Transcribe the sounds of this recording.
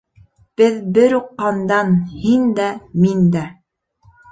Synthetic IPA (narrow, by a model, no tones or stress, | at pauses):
b̥ɘðbɘɾuqːɑnd̪ɑnhind̪æmind̪æ